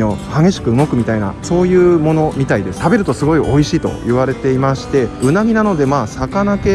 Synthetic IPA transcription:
o̞haɡe̞ɕi̥kɯ̟ɯ̟mo̞kɯ̟mʲit̪aina̰so̞ːjɯ̟ːmo̞no̞mʲit̪aid̪e̞sɨ̥t̪abe̞ɾɯ̟t̪o̞sɨɡo̞iʔo̞iɕiːt̪o̞̰jiβaɾe̞t̪e̞imaɕi̥t̪e̞ɯ̟naɡʲinano̞d̪e̞maːsakanake̞

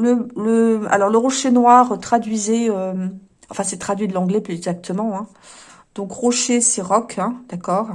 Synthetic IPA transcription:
lələa̰lɔʁləʁoʃenwaʁt̪χad̪ɥizɛøm | ɑ̃fɛ̃sɛt̪χad̪ɥid̪əlɑ̃ɡlɛplyzɛɡzak̚t̪əmɑ̃ɛ̃ | d̪̥ɔ̃kʁoʃesɛʁɔkʰɛ̃d̪̥akɔːʁ

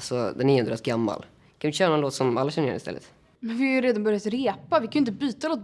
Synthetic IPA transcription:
sɔd̪ɛniːhʊnd̪ɾɛt̪ɡamːa̰l | kʰanɪɕœːɾnɔɛnloːt̪sɔmalːaɕɛnːɾjɛ̰nɪst̪ɛ̰lːə̰t̪ | mɛnvɪhajʏɾeːd̪anbœɾɪjat̪ɾeːpavɪkʰanʏɪnt̪əbyːt̪aloːt̪̚

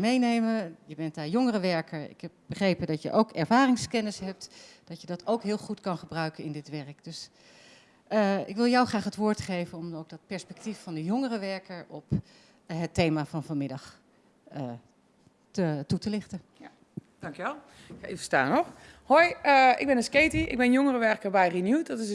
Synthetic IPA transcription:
mejnejməjəbɛntaːjɔŋərəʋɛɹkəɹɪ̰kɦɛp̚bəχrejpədɑtjə̰ʔowkɛɹvaːrɪŋskɛnəsɦɛp̚td̥ɑtjədɑtʰowkɦɪːlˠχutkɑnχəbrœɥkənɪndɪtʋɛɹəkd̥øs | ɪkʋɪlˠjɔwχraːχətʋʊːɹtχejvənɔmowk̚dɑt̚pɛɹspɛk̚tifːɑndəjɔŋərəʋɛɹkəɹɔp | ɦətejmaːvɑnvɑnmɪdɑχ | ə | tətutəlɪχtə | d̥ɑŋkjəʋɛlˠ | aefə̥sta̰ːnɔxhojəɪ̰ɡ̚bɪnəskejtiʔɪ̰ɡ̚bɪnjɔŋərəʋɛɹkəɹbɛjrinjutdɔtɪ

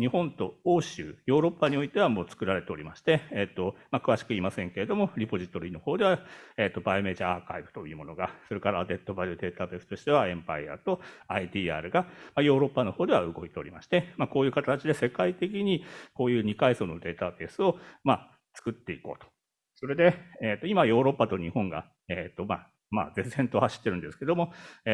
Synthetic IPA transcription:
ɲihõ̞nt̪o̞oːɕɨ̰ːjo̞ːɾo̞pːaɲ̟io̞it̪e̞β̞amo̞ːt͡sɨ̥kɯ̟ɾaɾe̞t̪e̞o̞ɾʲimaɕi̥t̪e̞ːt̪ːomakɯ̟aɕi̥kɯ̟iːmasẽ̞ŋke̞ɾe̞d̪o̞mo̞ɾʲipo̞ʑit̪o̞ɾʲiːno̞ho̞ːd̪e̞βaeːt̪ːo̞baime̞ːd͡ʑaaːkaibɯ̟̥t̪o̞jiɯːmo̞no̞ɡaso̞ɾe̞kaɾaːd̪e̞t̪ːo̞baɾɯd̪e̞ːt̪abe̞ːsɨ̥t̪o̞ɕi̥t̪e̞βaẽ̞mpa̰ia̰t̪o̞ait̪iːa̰ːɾɯ̟ɡamajo̞ːɾo̞pːano̞ho̞ːd̪e̞βa̰ɯ̟ɡo̞it̪e̞oɾʲimaɕi̥t̪e̞mako̞ːjɯ̟ːkat̪at͡ɕid̪e̞se̞kait̪e̞k̬ʲiɲ̟iko̞ːjɯ̟ːɲ̟ikaiso̞ːno̞d̪e̞ːt̪abe̞sɨo̞ma | t͡sɨ̥kɯ̟t̪ːe̞iko̞ːt̪o̥ | so̞ɾe̞d̪e̞eːt̪ːoimajo̞ːɾo̞pːat̪o̞ɲ̟ihõ̞ŋɡa̰ | et̪ːo̞ma | ma̰ːd͡ze̞szẽ̞nt̪o̞haɕi̥t̪ːe̞ɾɯ̟̃nd̪e̞sɨ̥ke̞d̪o̞mo̞

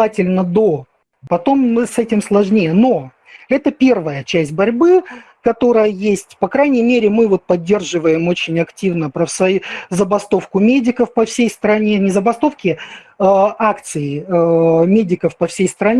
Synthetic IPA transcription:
atʲɪlʲnəd̪o̞ | pɐt̪o̞msɛtʲɪmslˠɐʐnʲejəno̞ | ɛt̪əpʲe̞rvəjət͡ɕæsʲt̚ʲbɐɾʲbɨ | kɐt̪o̞ɾəjəjesʲtʲpɐkɾajnʲɪjmʲeɾʲɪmɨvo̞t̪̚pɐdʲːe̞rʐɨvəjɪmo̞t͡ɕɪnʲɐktʲivnəpɾəfsɐzəbɐst̪o̞fkʊmʲedʲɪkəfpɐfsʲejst̪ɾɐnʲe̞nʲɪzəbɐst̪o̞fkʲɪ | akt̪sɨj | mʲedʲɪkəfpɐfsʲejst̪ɾɐnʲ

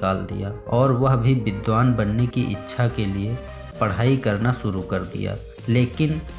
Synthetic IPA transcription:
kaːld̪ḭjaːɔːɾʋɐɦbʱibɪd̪ʋaːnbɐnːekiʔɪ̰tːʃʰakelie | pɐɽ̤aːikɐɾnaʃʊɾukɐɾd̪ḭja̰ː | leːkɪn

